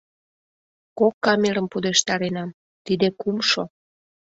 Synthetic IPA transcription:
kokːɑmeɾəmpud̪eʃt̪ɑɾenɑm | t̪id̪ekumʃo

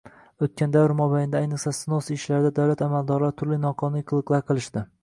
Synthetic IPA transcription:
ot̪̚kʲʰand̪avɾmɒbajnd̪aːjnɨqsasnosɪʃlaɾɪd̪ad̪awlat̪amald̪ɒɾlaɾt̪ʰʊɾlɪnɒqʰɒniqʰɨlˠɨqlˠaɾqʰɨlˠɪʃd̪ɪ

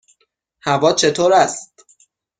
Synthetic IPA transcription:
hævɒːt͡ʃʰe̞t̪ʰoːɾæst̪

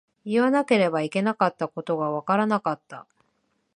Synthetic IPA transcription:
iβanake̞ɾe̞baike̞nakat̪ːako̞t̪o̞ɡaβakaɾanakat̪ːa̰

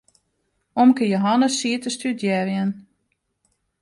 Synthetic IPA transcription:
omkəjoɦanəsːiətəstydjɛrjən

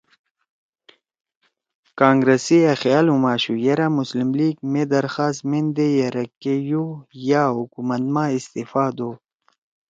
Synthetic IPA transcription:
kãːŋɡɾesiɐxjaːlumaːɕujeɾamuslimliːɡmed̪ɐɾxaːst̪mind̪ejeɾɐkːejujaɦukumɐt̪maːist̪ifaːd̪o

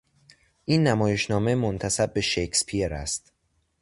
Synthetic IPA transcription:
ʔiːnːæmɒːje̞ʃnɒːmemont̪ʰæsæb̚ːe̞ʃekspʰieɾæst̪

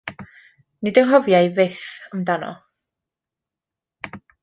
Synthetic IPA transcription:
nɪdənɦɔvjajvɪθəmdanɔ̰

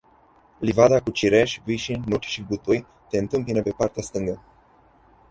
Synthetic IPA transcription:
livad̪akut͡ʃiɾeʃviʃinʲnut͡ʃʲʃiɡut̪uj | t̪e̞ɨnt̪ɨmpinəpe̞part̪east̪ɨŋɡə

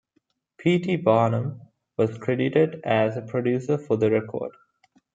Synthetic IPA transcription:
pʰiːʈibaːnə̃m | ʋɔzkʰɾɛɖɪʈeɖæzəpʰɾɔɖjuːsəɾfɔd̪əɾɛkʰɔ̰ːɖ

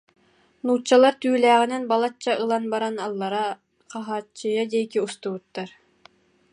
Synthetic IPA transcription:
nuːt͡ɕːalˠaɾt̪yːlæːʁinɛnbalˠat͡ɕːaʔɯlˠanbaɾanɑlˠːɑɾa | qɑɦaːt͡ɕːɯjad̪ɛkiust̪ubut̪ːaɾ

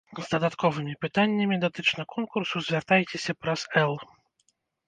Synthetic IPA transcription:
zd̪ɐd̪at̪kɔvɨmʲipɨt̪anʲːɐmʲid̪at̪ɨt͡ʂnɐkʰɔnkursuzʲvʲart̪ajtʲesʲɐpɾaz̥ɛlˠ

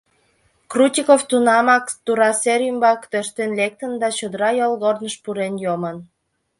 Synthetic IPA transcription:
krut̪ʲikoft̪unɑmɑkt̪uɾɑseɾʲymbɑkt̪øʃt̪enlek̚t̪ənd̪ɑt͡ɕod̪əɾɑjolˠɣornəʃpuɾenjomən

